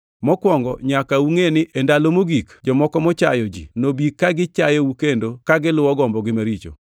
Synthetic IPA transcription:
mɔkwɔŋɡɔɲakauŋenɪʔendalomoɡikd͡ʒɔmɔkɔmɔt͡ʃa̰jɔd͡ʒḭnobikːaɡɪt͡ʃajoukendokaɡɪlʊwɔɡɔmbɔɡɪmaɾit͡ʃo̰

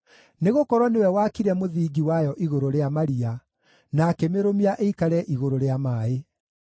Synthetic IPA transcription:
neɣokɔɾwɔnewɛwakiɾɛmoðiːɡiwajɔʔiɣoɾoɾeamaɾia | nakɛmeɾomiaʔeikaɾɛʔiɣoɾoɾeamaːe

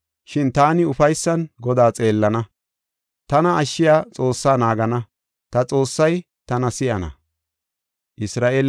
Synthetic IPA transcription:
ʃɪnt̪aːnɪʊfɐjsːɐnɡɔd̪aːt͡sʼe̞ːlːɐnɐ | t̪ɐnɐɐʃːɪjaːt͡sʼo̞ːsːaːnaːɡɐnɐ | t̪ɐt͡sʼo̞ːsːɐj | t̪ɐnɐsɪʔɐnɐ̰ | ʔɪsɾaːʔeːl

